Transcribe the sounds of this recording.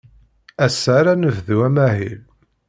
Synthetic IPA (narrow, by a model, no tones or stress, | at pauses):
æsaɾanəvðuæmæɦil